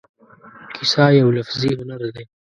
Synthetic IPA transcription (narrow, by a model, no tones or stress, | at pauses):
kʰɪsɑjawlafziɦʊnaɾd̪e